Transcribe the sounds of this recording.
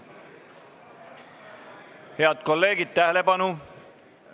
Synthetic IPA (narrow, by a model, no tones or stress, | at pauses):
he̞ɑd̪̥̚ko̞lːe̞ːɡid̪̥̚t̪æɦele̞pɑnu